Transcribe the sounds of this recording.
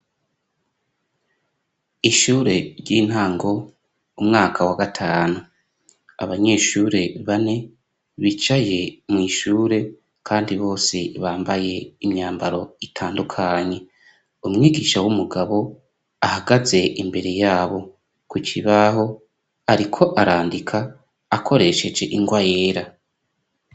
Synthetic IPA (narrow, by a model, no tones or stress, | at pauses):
iʃuːɾe̞ɾjiːn̥haːŋɡo̞ | umŋaːkʰawaɡatʰaːnu | a̰βaɲe̞ːʃuːɾe̞βane̞ | βit͡ʃaje̞mŋiːʃuːɾe̞ | kʰaːndiβo̞ːse̞βaːmbaje̞imɲaːmbaɾo̞itʰaːndukʰaːɲe̞ | umŋiːɡiːʃawumuɡaβo̞ | ahaɡaze̞ʔimbe̞ɾe̞jaːβo̞ | kwit͡ʃʰiβaɦo̞ | aɾikʰo̞ʔaɾaːndikʰaː | kʰo̞ɾe̞ʃe̞d͡ʒe̞ʔiŋɡwajeːɾa